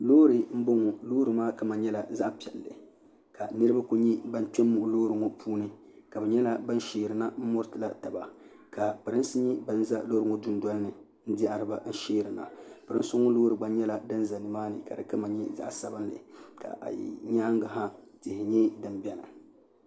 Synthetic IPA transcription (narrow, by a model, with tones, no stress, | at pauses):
loː˦ɾɨ˨m̩˦bo˦ŋɔ˨loː˦ɾɨ˨maː˦ka˦ma˨ɲɛ˦la˨za˦ʔpɛ˨lːɨ̰˨ | ka˨nɨ˦ɾɨ˦ba˦ku˦ɲi˦ba˦n˦t͡ʃɛ˦mːu˦ʔloː˦ɾɨ˨ŋo˦pʰuː˦nɨ˦ | ka˨bɨ˨ɲɛ˦la˦ba˦n˦ʃeː˨ɾɨ˨na˦m̩˦mʊ˦ɾtɨ˨la˦ta˨ba˨ | ka˨pɨ˨ɾɨ˦n˦sɨ˦ɲɛ˦ba˦n˦za˦loː˦ɾɨ˨ŋɔ˦dʊ˦n˦dwɔ˦lɨ˦nɨ˨ | n̩˦di˦ʔa˨ɾɨ˨˦ba˨n̩˦ʃeː˦ɾɨ˨na̰˨pɨ˨ɾɨ̰˦nsʊ˦ŋɔ˦loː˦ɾɨ˨ɡ͡ba˨ɲɛ˦la˨dɨ˦nza˨nɨ˨maː˦nɨ̰˨ka̰˨dɨ˨ka˦ma˨ɲɛ˦za̰˦ʔsa˨bɨ˦nlɨ̰˨ka̰˨ʔjḭ˨ɲaː˦ŋɡa˨ɦa˦tɪ˨hɪ˨ɲɛ˦dɨ˨mbɛ˦na̰˨